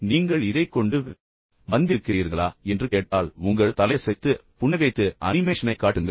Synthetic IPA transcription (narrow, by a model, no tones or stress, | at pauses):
niːŋɡɐɭɪɾɐɪkːɔɳɖɯ | ʋɐnd̪ɪɾɯkːɪɾiːɾɣɐɭaːɛndrɯkeːʈ̚ʈːaːlʊŋɡɐɭt̪ɐlɐsɛɪt̪ːɯpʊɳːɐɣɐɪt̪ːɯʔɐnɪmeːʂɐnɐɪkːaːʈːɯŋɡɐ